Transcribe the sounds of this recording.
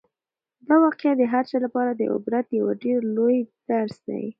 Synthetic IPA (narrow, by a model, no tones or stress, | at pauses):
d̪ɑwɑqjad̪əɦaɾt͡ʃɑlapɑɾad̪əʔʊ̰bɾat̪jawaɖeɾlojd̪̥aɾsd̪a̰wḭ